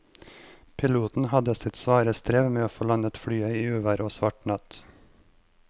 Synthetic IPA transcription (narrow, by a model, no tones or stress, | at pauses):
pʰɪluːt̪n̩hɑd̪əsɪt̪sʋɑːɾəst̪ɾeːʋmeːoːfoːlɑnət̪fɽyːəiːʉːʋæɾoːsʋɑʈɳɑt̪